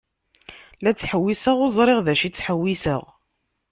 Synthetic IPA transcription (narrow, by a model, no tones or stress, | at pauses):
læt͡sːħəwːisəʁʊzˤɾˤeʁðæʃit͡sːħəwːisə̰ʁ